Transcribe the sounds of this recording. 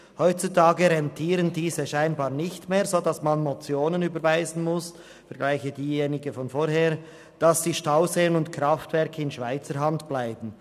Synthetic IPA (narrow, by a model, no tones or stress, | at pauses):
hɔʏtt͡sutʰaːɡəɾɛntʰiːɾəndiːzəʃaɪnbɑːʁnɪçtmeːɐzoːdɑsmanmot͡sjoːnənyːbəɾvaɪzn̩mʊs | fɛɐɡ̥laɪçədiːjeːnɪɡəfɔnfoːɾheːʁ | d̥ɑsd̥iːʃtaʊzeːənʊntkɾaftv̥ɛʁkʰəɪnʃv̥aɪt͡səɾɦɑntb̥laɪbn̩